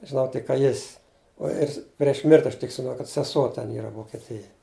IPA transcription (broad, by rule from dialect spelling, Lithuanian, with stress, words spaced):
ʒʲɪˈnɐʊ tʲɪk kɐ ˈjɪsʲ uɔ ˈjɪs pʲrʲiɛʃ ˈmʲɪrʲtʲɪ ɐʃ tʲɪk kɐt sʲɛˈsuɔ ˈtʲɛn ˈiːrɐ ʋoːkʲɛˈtʲɪjɛj